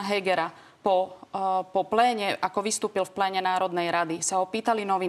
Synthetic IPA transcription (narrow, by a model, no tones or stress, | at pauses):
ɦɛɡɛɾa | pɔ | pɔplɛːɲɛʔakɔʋist̪uːpilfplɛːɲɛnaːɾɔd̪nɛjɾad̪isaɔpiːt̪alinɔʋi